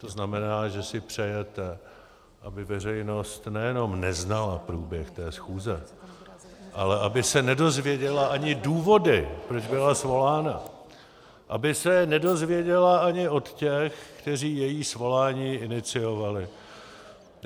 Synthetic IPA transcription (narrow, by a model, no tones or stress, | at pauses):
t̪o̞znamɛnaːʒɛsɪpr̝̥ɛjɛt̪ɛ | ʔa̰bɪvɛrɛjno̞st̪nɛjɛno̞mnɛznalapɾuːbjɛxt̪ɛːsxuːzɛ | ʔalɛʔabɪsɛnɛdo̞zvjɛɟɛlaʔaɲɪduːvo̞dɪpɾo̞d͡ʒbɪlasvo̞laːna | ʔabɪsɛnɛdo̞zvjɛɟɛlaaɲɪʔo̞t̪cɛxkt̪ɛr̝iːjɛjiːsvo̞laːɲiːʔɪnɪt͡sɪjo̞valɪ